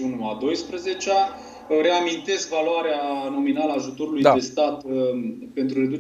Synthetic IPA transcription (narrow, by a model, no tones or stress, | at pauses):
unuad̪o̞jspɾəze̞t͡ʃea | ɾe̞amint̪e̞skvaloaɾeano̞minaləaːʒut̪o̞ɾulujd̪d̪e̞st̪at̪ | pe̞nt̪ɾure̞d̪u